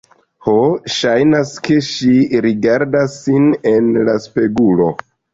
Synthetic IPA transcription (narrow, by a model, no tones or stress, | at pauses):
hoʃajnaske̞ʃiɾiɡaɾdasːine̞nlaspe̞ɡulo̞̰